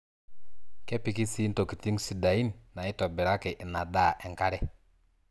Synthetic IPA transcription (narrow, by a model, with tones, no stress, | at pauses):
kɛ˦pi˨ki˦si˦n˦to˨ki˨ti˦ŋ˦si˨da˨i˦nːa˨i˦to˨bi˨ɾa˦ke˨ʔna˨da˦˨ʔɛ˨ŋka˦ɾɛ˦